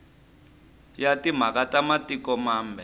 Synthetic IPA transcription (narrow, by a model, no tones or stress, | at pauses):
jatim̤akatamatikɔmaːmbʱɛ